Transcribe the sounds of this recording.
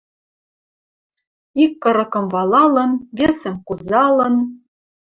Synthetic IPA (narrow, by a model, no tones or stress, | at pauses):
ikːɤ̆ɾɤ̆kɤ̆mvɑlɑlɤ̆nβʲesɘ̆mkuzɑlɤ̆n